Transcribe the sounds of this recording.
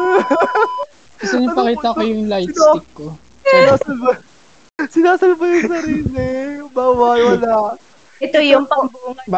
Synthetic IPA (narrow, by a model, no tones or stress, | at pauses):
kɐt̪ɐɲʊpɐkiːt̪ɐkojʊŋlajt̪sɪk̚kːo | ɪaːsɐl | sɪnaːsɐlbɐjʊŋsɐɾiːlɪbaːwajwɐla | ɛt̪ojʊŋpɐbuŋɐ